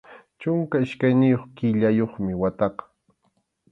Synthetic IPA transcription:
t͡ʃʊŋkaɪʃkajnɪjoχkɪʎajoχmɪwat̪ɑqɑ̥

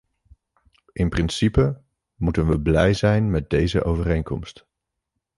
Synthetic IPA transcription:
ʔɪnprɪnsipə | mutənʋəblɛjzɛjnmɛd̚dejzə̰ʔowvərejŋkɔmst

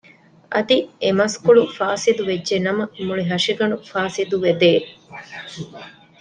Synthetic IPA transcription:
ʔɐd̪iemɐskuɭufaːsid̪uʋedːʒenɐmɐmuɭiɦɐʃiɡɐnufaːsid̪uʋed̪eː

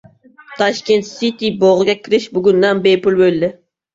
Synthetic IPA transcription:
t̪ʰɑʃkʲent̪sit̪iboʁɨɡʲɛkʲʰiɾɪʃbuɡʲynd̪ɑnbejpulˠbølʲːɪ

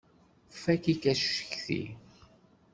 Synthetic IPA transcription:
fækikæsʃə̥çθḭ

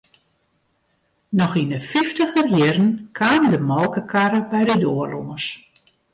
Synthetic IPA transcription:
nɔxindəfiftəxərjɪrən̩kʰaːmdəmɔlˠkəkʰaɾəbɛjdədoːərloŋəs

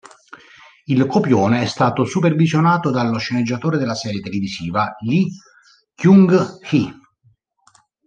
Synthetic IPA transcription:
ilkopjoːneɛst̪aːt̪osupervizjonaːt̪od̪alːoʃːened͡ʒːat̪oːɾed̪elːasɛːɾjet̪elivisiːvaʎi | kjuŋɡxi

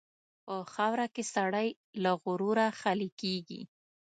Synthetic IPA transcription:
pəxawɾakesaɽaj | laɣʊɾuɾaxalikeɡḭ

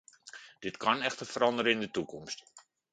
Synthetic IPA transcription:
d̥ɪtkɑnɛxtəfəɾɑndəɾəɪndətukɔmst

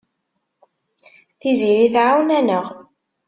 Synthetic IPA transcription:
θiziɾiθʕawnænəʁ

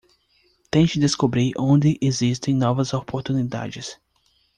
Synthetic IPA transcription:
t̪ẽt͡ʃɪd̪eskobɾiɾõnd̪ɪʔezist̪ẽj̃nɔvɐzopoɾt̪unid̪a̰d͡ʒɪs

